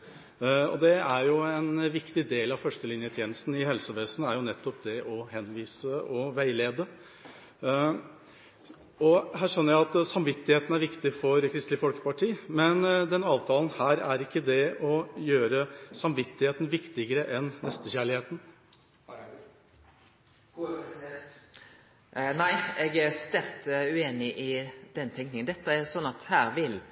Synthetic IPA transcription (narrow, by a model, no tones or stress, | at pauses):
ɔ̰d̪ɛæɾjʊɛnʋɪkt̪ɪd̪eːlɑʋfœʂʈəlɪnjət̪ʰjeːnəst̪n̩ɪhɛlsəʋeːsnəæɾjʊnɛt̪ːɔpd̪ɛʔɔhɛnʋiːsəʔɔʋæɪleːd̪ə | ɔɦæːʂœnːəɾjæɪɑt̪sɑmʋɪt̪ːɪheːt̪n̩æɾʋɪkt̪ɪfɔɾkʰɾɪst̪lɪfɔlkə̥pɑʈʰiːmɛnd̪ɛnɑːʋt̪ʰɑːlən̩hæːɾæɾɪkːəd̪ɛɔjøːɾəsɑmʋɪt̪ːɪheːt̪n̩ʋɪkt̪ɪɡəɾəʔɛnːɛst̪əçæːɭɪheːt̪n̩ | næɪɛɡæɾst̪ɛlt̪ʉeːnɪʔɪd̪̥ɛnt̪ʰɛŋknɪŋənd̪ɛt̪ːəæsɔnːɑt̪hæːɾʋɪl